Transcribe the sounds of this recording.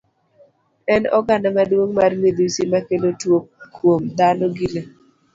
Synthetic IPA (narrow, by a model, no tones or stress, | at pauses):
ɛnɔ̰ɡanamadwoŋmarmed̪isimakelotwokːwomd̪anɔɡile